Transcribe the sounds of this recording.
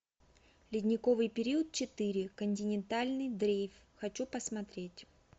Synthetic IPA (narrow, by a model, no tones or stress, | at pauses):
lʲɪdʲnʲɪkovɨjpʲɪɾʲiət̪̚t͡ɕɪt̪ɨɾʲɪkənʲtʲɪnʲɪnt̪alʲnɨjd̪ɾʲejf | xɐt͡ɕupəsmɐt̪ɾʲetʲ